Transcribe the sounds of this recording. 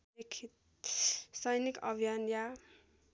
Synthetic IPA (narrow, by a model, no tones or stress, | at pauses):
ekʰit̪̚ | sʌjnikʌ̰bʱijanja